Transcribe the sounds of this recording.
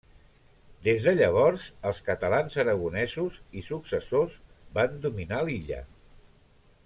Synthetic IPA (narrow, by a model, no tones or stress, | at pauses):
d̪ezðəʎəβ̞ɔɾzəlˠskət̪əlanzəɾəɣunɛzuzisuksəsozband̪uminaliʎə̰